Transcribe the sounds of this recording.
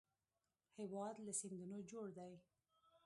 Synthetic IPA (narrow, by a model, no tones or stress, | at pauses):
hewɑd̪lasind̪unod͡ʒoɽd̪aj